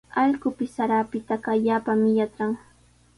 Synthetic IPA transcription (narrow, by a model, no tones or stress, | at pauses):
ɑʎɢʊpɪsːaɾaːpɪt̪aɢaʎaːpamɪjat͡sɾaŋ